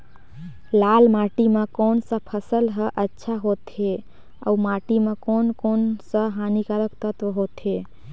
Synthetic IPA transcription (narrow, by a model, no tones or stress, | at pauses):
lalmaʈimekoːnsə̃pʰəsəlɦəʔətːʃʰaɦot̪e | ə̰umaʈimekonkonsə̃ɦanikəɾəkt̪ət̪ʋɦot̪e